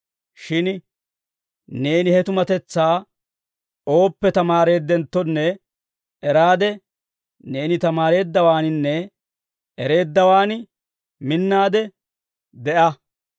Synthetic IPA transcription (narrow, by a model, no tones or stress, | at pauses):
ʃɪn | ne̞ːnɪhɛt̪ʊmɐt̪ɛt͡sːaː | ʔo̞ːpːɛt̪ɐmaːɾe̞ːd̪ːɛnt̪ːɔnːɛ | ɛɾaːd̪ɛ | ne̞ːnɪt̪ɐmaːɾe̞ːd̪ːɐwaːnɪnːɛ | ɛɾe̞ːd̪ːɐwaːn | mɪnːaːd̪ɛ | d̪ɛʔɐ